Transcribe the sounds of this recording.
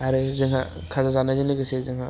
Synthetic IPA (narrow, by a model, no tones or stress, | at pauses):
aɾɯzɯŋɦa | kʰazazanazɯniɡɯsezɯŋɦa